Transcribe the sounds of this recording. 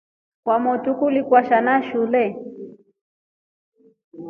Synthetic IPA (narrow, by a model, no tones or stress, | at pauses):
kwamɔtukulikwaʃanaʃulɛ